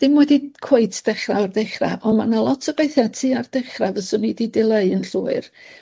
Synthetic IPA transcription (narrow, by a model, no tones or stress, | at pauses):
d̥ɪmwɛdikʰwoɨtʰd̥ɛχrawardɛχra̰ʔɔmanalˠɔtʰəbeɨθatʰiːard̥ɛχravəsʊnididɪlˠeɨənɬuːɨr